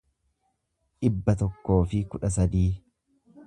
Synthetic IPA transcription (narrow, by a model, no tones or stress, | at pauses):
ᶑɪbːɐt̪ɔkːo̞ːfɪkʊᶑɐs̬ɐd̪iː